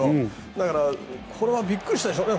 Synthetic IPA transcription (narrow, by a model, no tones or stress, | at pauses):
o | d̪akaɾakʰoɾeβabikːɯɕit̪aeɕ̬oɾe